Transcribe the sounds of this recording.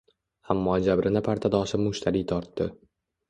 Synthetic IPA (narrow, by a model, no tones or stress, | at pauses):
amːɒːd͡ʒabɾʔɪnɪpʰaɾt̪ʰad̪ɒʃɪmʊʃt̪ʰaɾiːt̪ʰɒɾt̪ːɪ